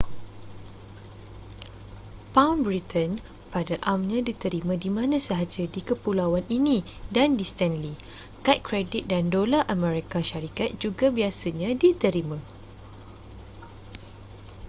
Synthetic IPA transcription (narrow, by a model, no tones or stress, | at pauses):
pawnbɾit̪ʰən | padaʔamɲãdit̪əɾimãdimãnãsaɦad͡ʒadikəpulawaninĩdandist̪ɛnli | kat̪̚kɾedit̪̚dandolaʔamɛ̃ɾekaʃaɾikat̪̚d͡ʒuɡabiasaɲãdit̪əɾimã